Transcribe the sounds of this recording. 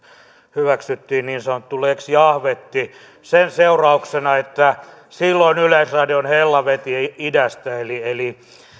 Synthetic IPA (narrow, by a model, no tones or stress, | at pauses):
hyʋæksyt̪ːiːnniːnsɑnot̪ːuleksjɑhʋet̪ːi | senseurɑuksenɑet̪ːæ | silːoinyleisrɑdionhelːɑʋet̪iidæst̪æelieli